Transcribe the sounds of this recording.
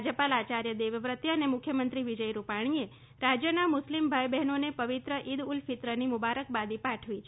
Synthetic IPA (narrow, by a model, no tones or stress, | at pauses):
d͡ʒəpalat͡ʃaɾjəd̪eʋʋɾət̪jəːnemʊkʰjəmənt̪ɾiʋid͡ʒəjɾupaɽ̃ie | ɾad͡ʒjənamʊslimbʱajbɛɦnonepəʋit̪ɾəʔid̪ulfit̪ɾənimʊbaɾək̚bad̪ipaʈʰʋit͡ʃʰ